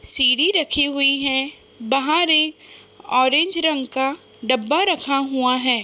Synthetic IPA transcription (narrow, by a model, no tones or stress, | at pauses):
siːɽiɾɐkʰeɦʊiɦɛ̃ | bɐɦãɾeːɔːɾẽːnd͡ʒɾɐ̃ŋɡka | ɖɐbːaɾɐkʰaɦuaɦɛː